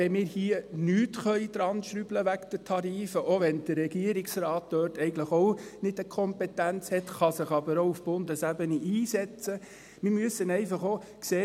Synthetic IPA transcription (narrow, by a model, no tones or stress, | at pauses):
ɛmɪːɾhiənyːtχœʏd̥̪ɾɑnʃɾybləʋækd̥̪ətʰɑɾiːfəʔoʋɛnd̥ərːɛɡiəɾiksrɑːt̚d̥øːɾtɛɪɡən̩tləχoʊnɪdəkʰɔmpɛtænt͡shɛtχɑsɪχɑbəɾoʊufb̥ʊndəsæbəniʔiːsɛt͡sə | mɪɾmyəsənɛɪfɑχokseː